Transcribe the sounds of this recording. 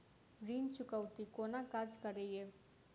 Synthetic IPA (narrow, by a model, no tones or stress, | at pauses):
ɾiːnt͡ʃʊkəwt̪ikoːnakad͡ʒkəɾeːjeː